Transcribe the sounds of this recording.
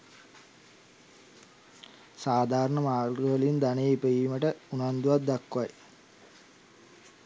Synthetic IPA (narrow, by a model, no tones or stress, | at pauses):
saːd̪ʱaːɾɐɳɐmaːɡɐʋɐliund̪ɐneipeimɐʈəunand̪uʋɐt̪̚d̪ɐkːuʋɐj